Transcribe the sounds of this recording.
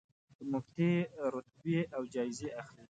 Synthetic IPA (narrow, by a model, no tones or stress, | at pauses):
d̪əmʊft̪eɾʊt̪biawd͡ʒɑɪzeaxli